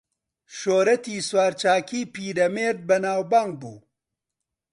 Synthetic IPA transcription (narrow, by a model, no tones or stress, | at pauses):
ʃoːɾɐt̪iːswaːɾt͡ʃaːkiːpiːɾɐmeːɾd̪̚bɐnaːwbaːŋɡ̚bṵː